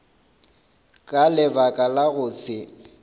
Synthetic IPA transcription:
kʼalɪbakʼalaɣʊːsɪ

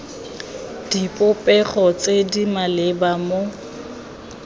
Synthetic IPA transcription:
d̥ipʼʊpʼɛχɔt͡sʼedimalɪbamo

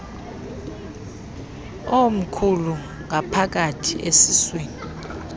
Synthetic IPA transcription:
om̩kʰulu | ŋapʰak̬atʰiʔesisweːni

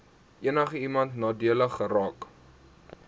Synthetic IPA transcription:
ʔiənəχəimɐntnɑːdiələχːəɾɑːk

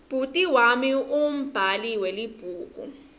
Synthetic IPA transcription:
b̥ʱutʼiwamium̩b̥ʱaliwɛlib̥ʱuːkṵ

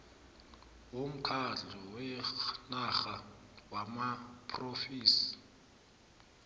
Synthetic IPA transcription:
wom̩kʰaɬɔwɛnaɣawamapʰʼrofiːsi̥

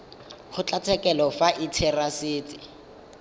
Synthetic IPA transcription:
χʊt͡ɬʼat͡sʰɛkɛlɔfaʔitʰɛrasiːtʼɪ

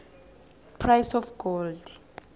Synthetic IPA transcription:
pʰrajsɔfɡ̥ɔld

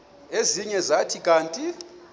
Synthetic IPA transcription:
eziɲɛzatʰikʼaːntʼi

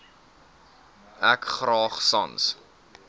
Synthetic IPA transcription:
ækχrɑːχsɐ̰ns

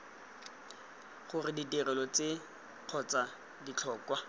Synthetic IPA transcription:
χʊrɪditirɛlɔt͡se | q͡χʰɔt͡sa | dit͡ɬʰɔːkwa

